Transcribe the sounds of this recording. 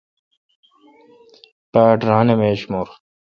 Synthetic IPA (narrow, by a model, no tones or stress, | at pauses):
paːʈɾaːnemeːɕmoɾ